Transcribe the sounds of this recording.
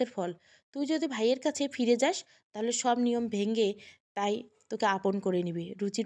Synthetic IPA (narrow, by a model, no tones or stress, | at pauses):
eɾfɔl | t̪ujd͡ʑod̪ʱibʱajeɾkat͡ɕʰefiɾed͡ʑaʃ | t̪aɦoleʃɔbnijombʱeŋɡet̪ajt̪okeaponkoɾenibiɾut͡ɕi